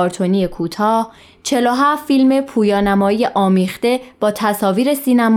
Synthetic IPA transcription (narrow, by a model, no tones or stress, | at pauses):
ɾt̪ʰoniːjekʰuːt̪ʰɒːh | t͡ʃʰe̞loɦæfːilme̞pʰuːjɒːnæmɒːijeʔɒːmiːχt̪e̞b̥ɒːt̪ʰæsɒːviːɾe̞siːnæm